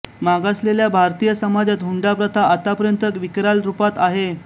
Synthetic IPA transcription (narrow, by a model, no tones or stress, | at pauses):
maɡasleljabʱaɾt̪ijəsəmad͡zat̪ɦuɳɖapɾət̪ʰaːt̪apəɾjənt̪əkʋikɾalɾupat̪aɦe